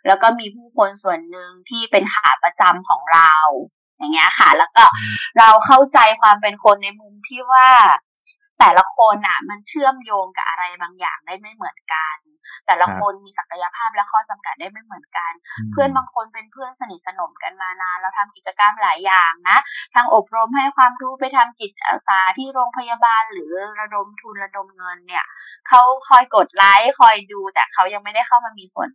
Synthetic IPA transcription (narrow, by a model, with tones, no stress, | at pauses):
lɛː˦˥wkɔː˥˩miː˧pʰuː˥˩kʰo˧nsu˨˩ənːɯ˨ŋt̪ʰiː˥˩pe˧nka̰ː˨˩˦pa˧t͡ɕa˧mkʰɔː˩˦ŋɾa˧w | ja˨˩ŋːi˦˥ɐka̰˥˩lɛː˦˥wkɔː˥˩ɾa˧wkʰa˥˩wt͡ɕa˧jkʰwaː˧mpe˧nkʰo˧nːa˧jmu˧mt̪ʰiː˥˩waː˥˩ | t̪ɛː˨˩la˧˥kʰo˧nʔa˨˩ma˧nt͡ɕʰɯ˥˩əmjoː˧ŋka̰˨˩ʔa˧ɾa˧jbaː˧ŋja̰ː˨˩ŋdaː˥˩jma˥˩jmɯ˩˦ənka˧n | t̪ɛː˨˩la˧˦kʰo˧nmiː˧sa˨˩ka˧ja˧pʰaː˥˩p̚lɛ˦˥wkʰɔː˥˩t͡ɕa˧mka˨˩t̪̚da˥˩jma˥˩jmɯ˩˦ənka˧npʰɯ˥˩ənbaː˧ŋkʰo˧npe˧npʰɯ˥˩ənsa˧ni˨˩sa˧no˨˩˦mka˧nmaː˧naː˧nɾa˧˩wt̪ʰa˧mki˨˩t̪̚t͡ɕa˧ka˧mlaː˨˩˦jːaː˨˩ŋna˦˥t̪ʰaː˧ŋʔo˨˩p̚ɾo˧mha˥˩jkʰwaː˧mɾuː˦˥pa˧jt̪ʰa˧mt͡ɕi˨˩t̪̚ʔa̰ː˨˩saː˨˦t̪ʰiː˥˩ɾoː˧ŋpʰa˧jaː˧baː˧nlɯː˩˦ɾa˧do˧mt̪ʰu˧nɾa˧do˧mŋɤ˧nːi˥˩ɐ | kʰa˦˥wkʰɔː˧˩jko˨˩t̪̚laː˦˥jkʰɔ˧˩jduː˧t̪ɛː˨˩kʰa˦˥wja˧ŋma˥˩jda˥˩jkʰa˥˩wmaː˧miː˧su˨˩ən